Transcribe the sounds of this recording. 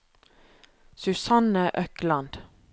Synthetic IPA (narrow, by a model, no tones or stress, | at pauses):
sʉsɑnəʔœklɑnd̪̥